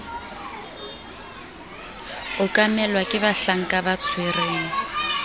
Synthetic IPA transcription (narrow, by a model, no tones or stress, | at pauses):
ʊkʼamɛlwakʼɪbaɬaŋ̩kʼabat͡sʰwereːŋ̩